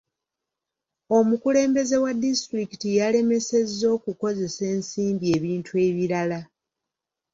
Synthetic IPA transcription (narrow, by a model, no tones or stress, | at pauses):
o̞mukule̞ːmbe̞ze̞wadːistɾikitijale̞me̞se̞zːo̞ːkuko̞ze̞se̞ːnsiːmbie̞ːβiːntʰue̞ːβiɾala